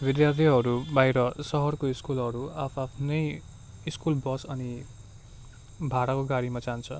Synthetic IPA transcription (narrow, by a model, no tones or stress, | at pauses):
bid̪jart̪ʰiɦʌɾubajɾʌsʌɦʌrkoiskulɦʌɾuapʰapʰnʌj | iskulbʌsʌni | bʱaɾakoɡaɽimad͡zant͡sʰʌ